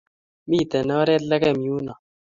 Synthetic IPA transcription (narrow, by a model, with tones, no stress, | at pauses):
mi˦˨t̪a˨na˦ɾɛ˦tla˦kɛ˦˨m˨ju˦na˨